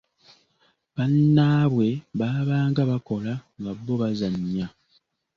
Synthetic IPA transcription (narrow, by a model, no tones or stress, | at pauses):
βanːaːβwe̞βaːβaːŋɡaβako̞laŋɡaβːoβazaɲːa